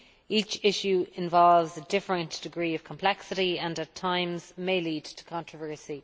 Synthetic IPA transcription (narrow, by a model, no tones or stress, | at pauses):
it͡ʃɪʃjʉɪ̃ɱvɔlvzədɪfɹə̃nd̥ɪɡɹiːəv̥kʰə̃mpʰl̥ɛksɪɾiə̃nətʰãɪ̃mz̥meɪliːdtʰə̥kʰɑ̃ntɹ̥əvɜ˞si